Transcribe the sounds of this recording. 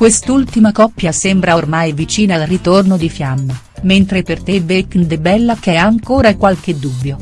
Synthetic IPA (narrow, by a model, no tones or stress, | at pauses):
kwest̪ult̪imakɔpːjasembɾaormajvit͡ʃiːnalrit̪ornod̪ifjamːa | ment̪ɾepert̪eveknd̪ebɛlːakɛaŋkoːɾakwalk̟ed̪ubːjo